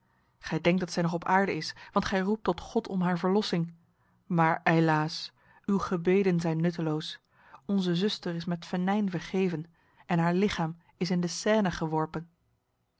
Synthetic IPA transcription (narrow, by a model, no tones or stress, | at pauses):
χɛjdɛŋk̚dɑtsɛjnɔχɔpaːɹdəɪsʋɑntχɛjrup̚tɔtχɔtʰɔmɦaːɹvəɹlɔsɪŋ | maːɹelaːs | ywχəbejdənzɛjnːɵtəlows | ɔnzəzɵstəɹɪsmɛtfənɛjnvəɹχejvən | ɛnɦaːɹlɪχaːm | ɪs̬ɪndəsɛːnəχəʋɔɹpən